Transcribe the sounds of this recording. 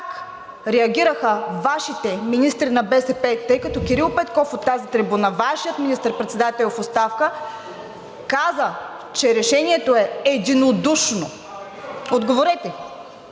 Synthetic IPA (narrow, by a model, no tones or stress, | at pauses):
kak | ɾɛɐɡʲiɾəxəvaʃit̪ɛminist̪ɾinɐbɛsɛpɛt̪ɤjkɐt̪ɔkiɾilˠpɛt̪kɔfot̪ːazit̪ɾibunɐvaʃijət̪minist̪əɾpɾɛt̪sɛd̪at̪ɛlʲfot̪st̪afkə | kazə | t͡ʃɛɾɛʃɛniɛt̪oɛɛd̪inod̪uʃno | od̪ɡovoɾɛt̪ɛ